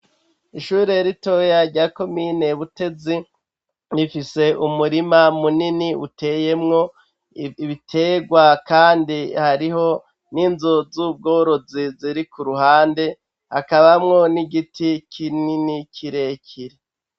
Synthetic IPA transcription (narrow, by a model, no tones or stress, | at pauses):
iʃuːɾe̞ɾito̞ːjaɾɟaːko̞miːne̞βute̞zi | ɾifise̞ʔumuɾimamuniniṵte̞ːje̞mŋo̞ | βitʰe̞ːɡwakaːndihaɾiɦo̞ | ninzozub̚ɡo̞ːɾo̞ziziɾikuɾuɦaːnde̞ | hakaβamŋo̞niɡitikʰininikʰiɾe̞cʰiɾe